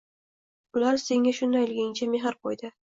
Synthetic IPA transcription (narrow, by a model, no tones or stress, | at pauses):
bʊlaɾse̞ŋʲaʃʊnd̪ajlɡʲaŋt͡ʃʰameɦaɾqʰojd̪ɪ